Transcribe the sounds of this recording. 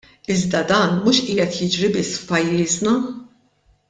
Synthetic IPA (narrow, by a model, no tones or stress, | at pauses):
ɪzd̪ɐd̪ɐːnmuːʃʔiːɛt̪jɪd͡ʒɾibɪsːfpɐjːɪːznɐ